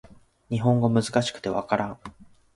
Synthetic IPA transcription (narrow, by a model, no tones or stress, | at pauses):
ɲ̟iɦõ̞ŋɡo̞mɯ̟zɨkaɕi̥kɯ̟̥t̪e̞βa̰kaɾãŋ